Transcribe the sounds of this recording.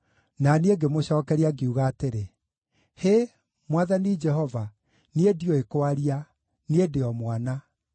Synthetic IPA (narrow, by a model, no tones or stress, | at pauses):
nanieɡemoɕɔːkɛɾiaɡeuɣaːteɾe | he | mwaðanid͡ʒɛɦɔva | niediɔekoaɾia | niedeɔmwana